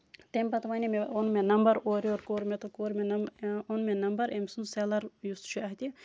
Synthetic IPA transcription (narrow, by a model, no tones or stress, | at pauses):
t̪emʲpɐt̪ʋanʲimeonmenɐmbɐɾoːɾoːɾkoːɾmet̪okoːɾmenɐmonmenɐmbɐɾemsunseːlɐɾjust̪t͡ʃʰuɐɦit̪i